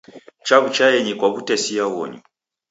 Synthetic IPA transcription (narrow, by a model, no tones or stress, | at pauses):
t͡ʃaβut͡ʃajɛɲikwaβutɛsiaɣɔ̰ɲḭ